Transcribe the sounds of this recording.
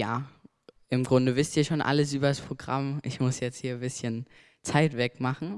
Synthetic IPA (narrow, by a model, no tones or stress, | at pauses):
jaː | ʔɪmɡʁʊndəvɪstiːɐʃoːnʔa̰ləs̬ʔyːbɐaspʁ̥oɡʁa̰mʔɪçmʊsjɛt͡sthiːɐbɪsçən | t͡saɪtv̥ɛkmaχn̩